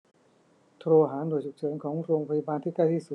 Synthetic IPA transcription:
t̪ʰɾoː˧ɦaː˩˦ndo˧˩jt͡ɕʰu˨˩k̚t͡ɕʰɤː˩˦nkʰɔː˩˦ŋɾoː˧ŋpʰa˧i˧baː˧nt̪ʰiː˥˩ka˥˩jt̪ʰiː˥˩su˨˩

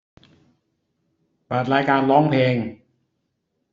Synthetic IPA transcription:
baː˨˩t̪̚ɾaː˧jkaː˧nlɔ˦˥˩ŋpʰeː˧ŋ

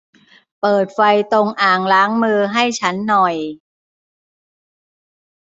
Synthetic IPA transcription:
pɤː˨˩t̪̚fa˧jt̪o˧ŋʔaː˨˩ŋlaː˦˥ŋmɯː˧ɦa˥˩jt͡ɕʰa˦˥nːɔ˨˩j

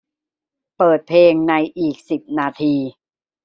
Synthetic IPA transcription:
pɤː˨˩t̪̚pʰleː˧ŋna˧jʔiː˨˩k̚si˨˩p̚naː˧t̪ʰiː˧

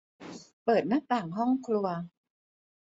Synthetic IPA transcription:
pɤː˨˩t̪̚na˦˥t̪aː˨˩ŋɦɔ˥˩ŋkʰlu˧ɐ

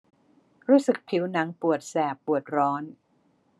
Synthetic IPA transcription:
ɾuː˦˥sɯ˨˩k̚pʰi˦˥wna˦˥ŋpu˨˩ət̪̚sɛː˨˩pːu˨˩ət̪̚ɾɔː˦˥n

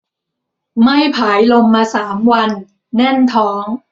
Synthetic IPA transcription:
ma˥˩jpʰaː˩˦jlo˧mːaː˧saː˩˦mwa˧nː | ɛ˥˩nt̪ʰɔː˦˥ŋ

